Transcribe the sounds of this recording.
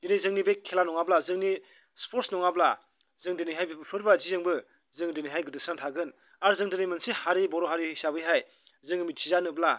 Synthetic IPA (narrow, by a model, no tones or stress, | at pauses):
dinɯjzɯŋnibekʰːelanɔŋablazɯŋni | spʰoɾtsnɔŋabla | zɯŋdinɯjɦajbibɯpʰɯɾbazizɯŋbɯ | zɯŋdɯnɯjɦajɡɯdɯsnantʰaɡɯn | aɾzɯŋdɯnɯjmɯnsihaɾibɔɾɔɦaɾihisabɯjɦaj | zɯŋɯmit̚t͡ʃʰizanɯbla